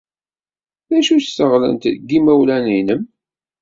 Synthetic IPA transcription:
ðæʃusəʁlə̰nt̪ðɡːimæwlæninəm

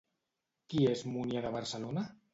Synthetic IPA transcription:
kiezmunjaðaβaɾsəlona

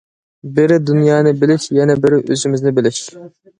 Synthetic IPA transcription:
bɪɾɪd̪unjɑːnɨbɪlɪʃjɛnɛbɪɾɪʔø̰zɪmɪznɪbɪlɪʃ

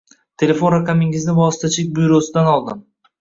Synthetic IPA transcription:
t̪ʰe̞le̞fo̞nɾaqʰamɪŋɪznɪvɒsɪt̪ʰat͡ʃʰɪk̚ʲbʊjɾosɪd̪anɒlˠd̪ɪm

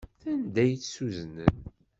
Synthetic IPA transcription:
θænd̪æjt͡ssuznən

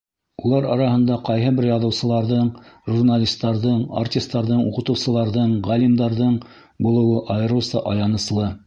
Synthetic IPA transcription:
ulˠɑɾɑ̰ɾɑhɤ̆nd̪ɑqɑjɦɤbɘɾjɑðɤ̆wsɤ̆lˠɑɾðɤɴʒurnalʲist̪ːɑɾðɤɴa̰rtʲist̪ːɑɾðɤɴṵqɤ̆t̪ɤ̆wsɤ̆lˠɑɾðɤɴʁælimd̪ɑɾðɤɴ | bulˠɤ̆wɤʔɑjɤ̆ɾɤ̆wsɑ̰ʔɑjɑnɤ̆slˠɤ

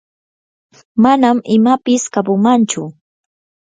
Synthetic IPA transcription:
manamɪmapɪskapʊmant͡ʃʊ

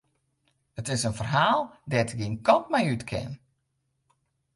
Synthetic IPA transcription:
ətɪsənfərɦaːlˠdɛtɡinkɔntmɛjytkʰɪ̰n

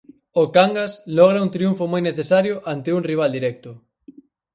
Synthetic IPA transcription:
okaŋɡaslɔɣ̞ɾaunt̪ɾiuɱfomojneθesaɾjʊʔant̪euŋriβ̞ald̪iɾɛk̚t̪ʊ

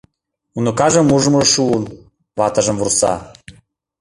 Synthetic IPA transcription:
unŏkɑʒɤ̆mːuʒɤ̆moʒʃuːn | vɑt̪ɤ̆ʒɤ̆mvursɑ̰

